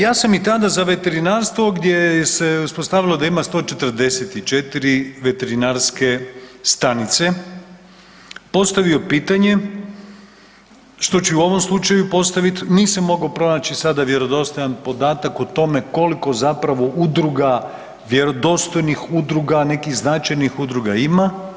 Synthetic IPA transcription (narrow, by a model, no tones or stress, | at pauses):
jaːsamit̪ad̪azaʋe̞t̪e̞ɾinaːɾst̪ʋo̞ɡd̪jejese̞uspo̞st̪aːʋilˠo̞d̪aimast̪o̞ːt͡ʃe̞t̪ər̩d̪e̞set̪it͡ʃet̪iɾiʋe̞t̪e̞ɾinaɾske̞st̪anit̪se̞ | po̞st̪aʋio̞piːt̪aɲe̞ | ʃt̪o̞t͡ɕeuo̞ʋo̞mslˠut͡ʃajupo̞st̪aʋit̪niːsamːo̞ɡaopɾo̞naːt͡ʃisad̪aʋje̞ɾo̞d̪o̞st̪o̞janpo̞d̪aːt̪akot̪o̞me̞ko̞liko̞zapɾaʋo̞ʔud̪ɾuɡa | ʋje̞ɾo̞d̪o̞st̪o̞jnixud̪ɾuɡanekiɣznat͡ʃajnixud̪ɾuɡaima